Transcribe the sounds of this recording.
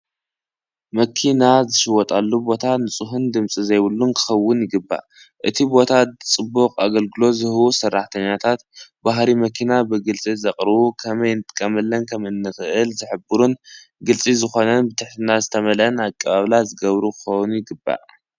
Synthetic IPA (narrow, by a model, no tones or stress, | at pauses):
mɐkʰinazɨʃɨwɔt̪ʼalːubo̞t̪ʰanɨt͡sʼuɦund̪ɨmt͡sʼizɐjwɨlːunkʰɨ̥xɐwːʊnjɪɡɨbːa̰ | ʔɨt̪ʰibo̞t̪ʰat͡sʼɨbːukʼaɡɐlɡɨlo̞zɨhɨwusɐrːaħt̪ʰɐɲːat̪ʰat̪baɦɾimɐkʰinabɨɡɨlt͡sʼizɐqʼɾɨβukʰɐmɐjnt̪ʼɨ̥kʼːɐmɐlːɐnkʰɐmɨnːɨxɨʔɨlzɨħɨbɨɾun | ɡɨlt͡sʼizɨxo̞nɐnbɨt̪ʰɨħt̪ʰinazɨt̪ʰɐmɐlɐnakʼːɐβaβlazɨɡɐβɾukʰɨ̥xownjɪɡɨbːa̰